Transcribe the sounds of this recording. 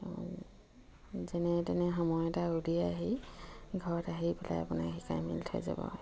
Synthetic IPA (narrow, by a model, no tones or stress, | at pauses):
zɛnɛtɛnɛxɔmɔjɔtaulijaːɦiɡʱɔɹɔtaɦipɛla̰japʊna̰xikajmiltʰo̰jza̰bɔ̰